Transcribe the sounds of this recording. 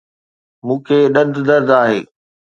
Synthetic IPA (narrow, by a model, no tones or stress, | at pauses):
mũːkʰeːɗɐ̃d̪d̪ɐɾd̪aːɦḛː